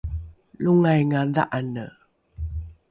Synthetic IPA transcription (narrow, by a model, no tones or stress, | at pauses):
luŋajŋaða̰ʔanə